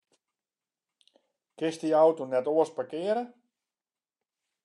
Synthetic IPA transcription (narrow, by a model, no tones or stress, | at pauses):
kɪstiawtonɛtoəspakɪəɾə